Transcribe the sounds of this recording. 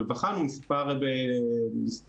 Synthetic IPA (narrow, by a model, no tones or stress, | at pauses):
vaχanumispaʁbemis